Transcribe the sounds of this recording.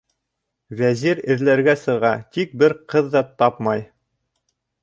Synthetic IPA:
væziɾɘ̆ðlæɾɡæsɤ̆ʁɑt̪ik̚bɘɾqɤðːɑt̪ɑpmɑj

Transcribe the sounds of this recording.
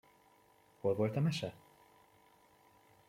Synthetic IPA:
ho̞lvo̞lt̪ɒmɛʃɛ

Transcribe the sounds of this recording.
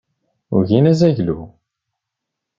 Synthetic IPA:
ʊ̰ʝinæzæʝlu

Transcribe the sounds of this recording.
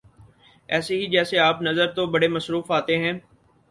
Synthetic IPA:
ɛːseɦid͡ʒɛːseaːpnɐzəɾt̪obɐɽemɐsɾuːfaːt̪eɦɛ̃ː

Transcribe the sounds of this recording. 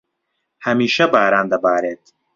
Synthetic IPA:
hɐmiːʃɐbaːɾaːnd̪ɐbaːɾeːt̪

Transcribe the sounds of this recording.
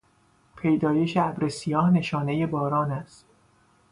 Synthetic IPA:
pʰe̞jd̪ɒːje̞ʃeæbɾesijɒːhne̞ʃɒːne̞je̞bɒːɾɒːnæst̪

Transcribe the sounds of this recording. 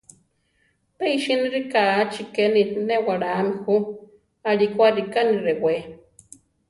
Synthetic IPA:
t̪eiʃiniɾikat͡ʃikeninewaɽamixu | alikʷaɾikaniɾewe

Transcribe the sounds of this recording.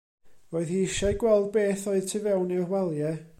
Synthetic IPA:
oːɨðhiɪʃaɨɡwɛlˠd̚beːθoɨðtʰɪvɛwnirwɛlˠjɛ

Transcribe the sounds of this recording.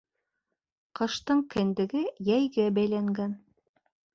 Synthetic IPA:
qɤ̆ʃt̪ɤɴkɘ̆nd̪ɘ̆ɡɘjæjɡæbæjlæŋɡæn

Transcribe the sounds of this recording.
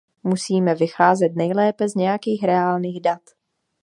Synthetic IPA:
musiːmɛvɪxaːzɛt̪nɛjlɛːpɛzɲɛjakiːxɾɛaːlniːɣdat̪

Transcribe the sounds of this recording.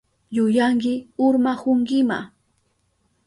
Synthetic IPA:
jʊjaŋkɪʊɾmahʊŋkɪma̰

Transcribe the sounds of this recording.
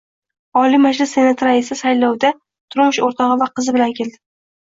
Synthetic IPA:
ɒlimad͡ʒlɪsːe̞nat̪ʰɾaɪsɪsajlɒwd̪a | t̪ʰʊɾmʊʃoɾt̪ʰɒʁɨvaqʰɨzɪbɪlankʲʰe̞ld̪ɪ

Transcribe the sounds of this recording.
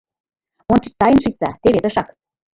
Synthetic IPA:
ont͡ʃit͡ɕ̚t̪ɑjə̆nʃit͡sɑt̪eβet̪ɤ̆ʃɑk

